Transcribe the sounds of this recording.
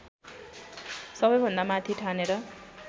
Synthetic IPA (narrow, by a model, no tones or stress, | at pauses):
sʌbʌjbʱʌnd̪amat̪ʰiʈʰaneɾʌ